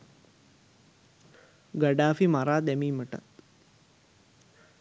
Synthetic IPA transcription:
ɡəɖaːfimaɾaːd̪æmiːməʈa̰t̪

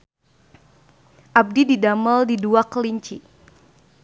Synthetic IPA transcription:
ʔab̚dididaməldiduakəliɲt͡ʃi

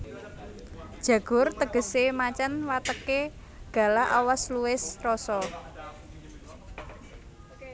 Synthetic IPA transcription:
d̥ʒ̥ä̤ɡ̥ʊrt̪əɡ̥ə̤semat͡ʃanwat̪əke | ɡ̥a̤laʔa̰wasluɪsrɔsɔ

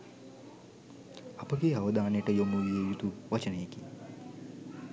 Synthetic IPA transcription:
apəɡeːaʋəd̪aːnəjəʈəjomujijeːjit̪uʋat͡ʃənəjeki

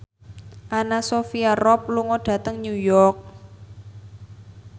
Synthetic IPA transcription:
ʔanasofiarɔp̚luŋɔɖ̥ä̤t̪əŋɲujɔrk̚

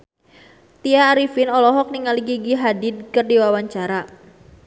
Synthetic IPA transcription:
t̪iaːɾifɪnɔlɔɦɔk̚niŋaliɡiɡiɦadid̪̚kərdiwawaɲt͡ʃaɾa

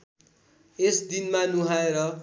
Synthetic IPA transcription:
esd̪inmanuɦaeɾʌ

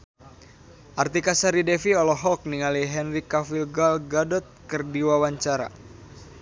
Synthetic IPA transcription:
ʔart̪ikasaɾidɛfiɔlɔɦɔk̚niŋaliɦɛnrikafilɡalɡadɔt̪̚kərdiwawaɲt͡ʃaɾa̰

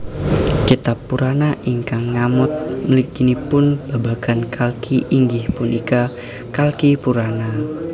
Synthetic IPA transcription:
kit̪apːuɾanaʔiŋkaŋːamʊt̪̚məlikinipʊnb̥abakankʰalkʰiʔiŋɡɪhpʊnʔika | kalkipuɾana

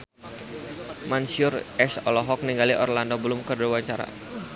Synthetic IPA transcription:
mansʊrɛsɔlɔɦɔk̚niŋɡaliʔɔrlandobəlʊmkərdwaɲt͡ʃaɾa̰

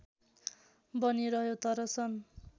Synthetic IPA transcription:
bʌniɾʌɦjot̪ʌɾʌsʰʌn

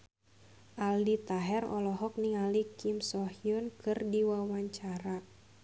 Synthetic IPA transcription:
ʔaldit̪aɦɛrɔ̰lɔɦɔk̚niŋalikimsɔhiʊnkʰɨrdiwawaɲt͡ʃaɾa

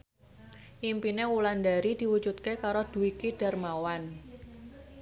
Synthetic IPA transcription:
ʔimpinewulandaɾid̪̥i̤wu̥d͡ʒut̪̚kekaɾod̪̥uwikiɖ̥a̤rmawan

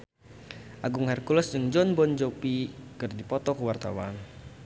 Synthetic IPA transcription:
ʔaɡuŋarkulɔsd͡ʒɨŋd͡ʒɔnbɔnd͡ʒopikərdipɔt̪ɔkəwart̪a̰wan

